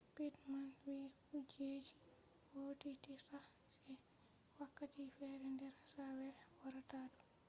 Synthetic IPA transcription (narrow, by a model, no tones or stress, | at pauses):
pitmanwikud͡ʒed͡ʒi | wotitisa | sɛ | wakːatifɛɾɛndɛɾsawɛɾɛwaɾataːdu